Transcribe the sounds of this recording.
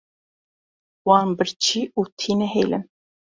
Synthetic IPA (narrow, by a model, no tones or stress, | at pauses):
wɑːnbəɾt͡ʃʰiːuːt̪ʰiːnɛɦejlɨ̰n